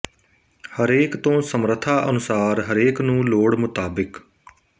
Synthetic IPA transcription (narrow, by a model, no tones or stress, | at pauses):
həɾeːkt̪õːsəmɾət̪ʰaːʔənʊsaːɾɦəɾeːknũːloːɽmʊt̪aːbɪk